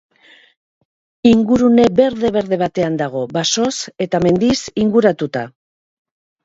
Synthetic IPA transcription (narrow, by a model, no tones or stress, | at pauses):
iŋɡuɾune̞be̞ɾðe̞βe̞ɾðe̞β̞at̪e̞and̪aɣ̞o̞baso̞se̞t̪ame̞nd̪isiŋɡuɾat̪ut̪a̰